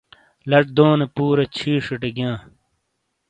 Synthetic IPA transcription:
lɐʈ̚d̪oːnepuːɾɐt͡ɕʰiːʂiʈeɡjãː

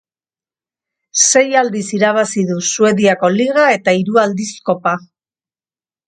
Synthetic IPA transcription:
se̞jald̪isiɾaβ̞asiðusue̞ðiako̞liɣ̞ae̞t̪aiɾuald̪isko̞pa

